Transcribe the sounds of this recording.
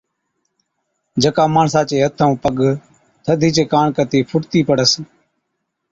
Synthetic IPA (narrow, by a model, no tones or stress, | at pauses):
d͡ʒəkaːmaːɳsaːt͡ʃeːɦət̪ʰə̃ːpəɠ | t̪ʰəd̪ʱiːt͡ʃeːkaːɳkət̪iːpʰʊʈt̪iːpəɽəs